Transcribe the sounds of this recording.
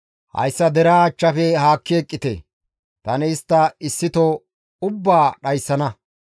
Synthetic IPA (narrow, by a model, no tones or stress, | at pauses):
hɐ̰jsːɐd̪ɛɾaːt͡ʃːɐfɛhaːkːeːkʼːɪt̪ḛː | t̪ɐnɛɪst̪ːɐɪsːɪt̪o | ʊbːaːɗɐjsːɐnɐ